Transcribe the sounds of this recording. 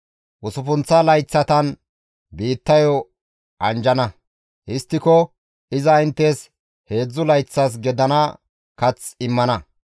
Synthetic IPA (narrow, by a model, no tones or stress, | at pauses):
ʔʊsʊfʊnt͡sːɐlɐjt͡sːɐt̪ɐn | biːt̪ːɐjɔ | ʔɐnd͡ʒɐnɐ | hɪst̪ːɪkɔ | ɪzɐɪnt̪ːes | he̞ːd͡zːʊlɐjt͡sːɐs̬ɡɛd̪ɐnɐ | kɐt͡sɪmːɐnɐ